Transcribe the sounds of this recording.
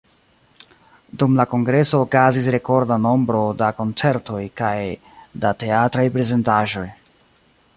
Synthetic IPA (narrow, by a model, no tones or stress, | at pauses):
dumlako̞ŋɡɾe̞so̞ːkazis̬ɾe̞ko̞ɾdano̞mbɾo̞dako̞nt͡se̞ɾto̞jkaj | date̞atɾajpɾe̞ze̞ntaʒo̞j